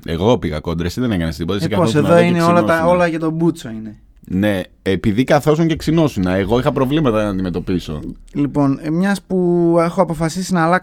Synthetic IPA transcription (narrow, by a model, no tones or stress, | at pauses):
e̞̰ɣo̞piɣɐ̰ko̞nd̪ɾesiðenekɐnesðipot̪ɐsikɐθooseðoineolɐɐolɐʝɐt̪o̞but͡soine | ne̞ | epiðikɐθo̞soŋceksino̞sinɐeɣo̞ixɐpɾo̞vlimɐt̪ɐɐnɐnd̪ime̞t̪o̞piso̰lipo̞nmɲɐspue̞xoɐpo̞fɐsisinɐːlɐ